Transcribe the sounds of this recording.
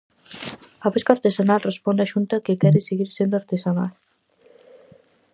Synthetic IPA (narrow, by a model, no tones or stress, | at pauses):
apeskaɾt̪ezanalrespɔnd̪aʒunt̪akekɛɾeseɣiɾsend̪aɾt̪ezanalˠ